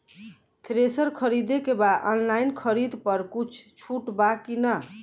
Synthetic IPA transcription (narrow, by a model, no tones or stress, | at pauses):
t̪ʰɾesəɾkʰəɾid̪ekebad̪ɔnlainkʰəɾid̪pəɾkut͡ʃʰt͡ʃʰuʈbakinə